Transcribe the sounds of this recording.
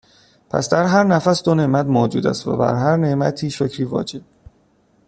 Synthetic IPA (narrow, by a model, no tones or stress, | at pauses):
pʰæ̰sd̪æɾɦæɾnæfæsd̪one̞ʔmæt̪moːd͡ʒuːd̪æ̰st̪væ̰bæ̰ɾɦæɾne̞mæt̪ʰiːʃocʰɾiːvɒ̰ːd͡ʒe̞b̥̚